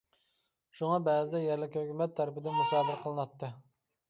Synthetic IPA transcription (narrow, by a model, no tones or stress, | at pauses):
ʃuŋɑbɛːzɪd̪ɛjɛɾlɪkʲhøkʲymɛt̪ʰːæɾɪpɪd̪ɪnmuʃɑːd̪ɪɾqʰəlˠɨnɑt̪ʰːɨ